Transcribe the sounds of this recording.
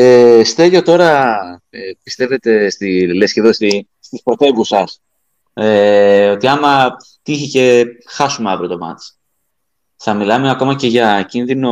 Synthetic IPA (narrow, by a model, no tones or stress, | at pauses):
est̪e̞ʝo̞t̪o̞ɾɐ | pi̥st̪e̞ve̞t̪e̞st̪ilesceðosi | st̪ispɾo̞t̪e̞vusɐs | eo̞t̪iɐmɐ | t̪içice̞xɐsumeɐvɾiot̪o̞mɐ̰t̪t͡s | θɐmilɐme̞ɐko̞mɐce̞ʝɐcinðino